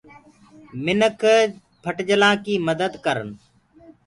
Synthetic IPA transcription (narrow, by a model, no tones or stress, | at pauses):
mɪnəkʰ | pʰəʈd͡ʒəlãːkiːməd̪əd̪kəɾən